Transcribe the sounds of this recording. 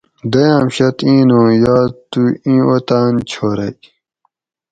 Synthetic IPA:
d̪ɐjãːmɕɐt̪ĩːnõːjaːt̪uĩːot̪aːnt͡ɕʰoːɾɐj

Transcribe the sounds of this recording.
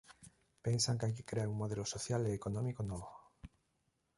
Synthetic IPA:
pensaŋkajk̬e̥kɾeaɾuŋmoðelosoθjaleːkonɔ̃mikonɔβo

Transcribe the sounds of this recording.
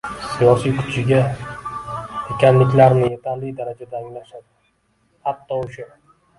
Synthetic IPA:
sijɒsijkʰʊ̥t͡ʃʰɪɡʲa | ekʲʰanlɪkʲlaɾnɪje̞t̪ʰanlɪjd̪aɾad͡ʒad̪aːŋlaʃad̪ɪ | hat̪ːɒʊʃʊ

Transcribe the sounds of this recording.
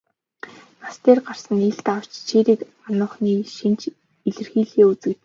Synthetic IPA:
nast̪eːrɢar̥sə̆niɮt̪aw̥t͡ɕt͡ɕʰeːɾiːk | anʊːχniːʃint͡ɕ | iɮɘ̆rxiːɮxeːut͡sɘ̆kt̪

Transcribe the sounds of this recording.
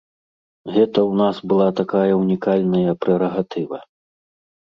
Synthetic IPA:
ɣɛt̪ɐwnasbɨlˠat̪akajɐunʲikalʲnɐjɐpɾɛɾɐɣat̪ɨvɐ

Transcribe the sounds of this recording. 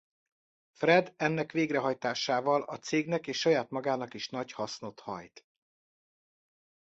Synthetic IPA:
frɛd̪ɛnːɛkʋeːɡrɛɦɒjt̪aːʃaːvɒlɒt̪seːɡnɛkeːʃːɒjaːt̪mɒɡaːnɒkiʃnɒchɒsno̞t̪hɒ̰jt̪

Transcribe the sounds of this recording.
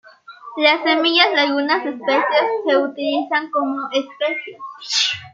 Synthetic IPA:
lasemijaslajunasespesjeskeut̪ilisaŋkomoʔespesjes

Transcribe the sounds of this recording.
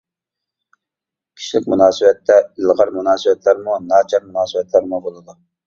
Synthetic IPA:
kʲʰi̥ʃlɪkʲmunɑːsɨwɛt̪ːɛilʁɑɾmunɑːsɨwɛt̪læɾmunɑːt͡ʃʰɑɾmunɑːsɨbɛt̪ʰlæɾmubolˠɨd̪u

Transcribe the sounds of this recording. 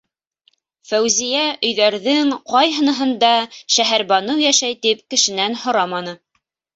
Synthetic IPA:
fæwzijæʔɵ̆jðæɾðɘŋqɑjɦɤ̆nɤ̆ɦɤ̆nd̪ɑʃæɦæɾbɑnɤwjæʃæjt̪ip̚kɘ̆ʃɘ̆nænhŏɾɑmɑnɤ

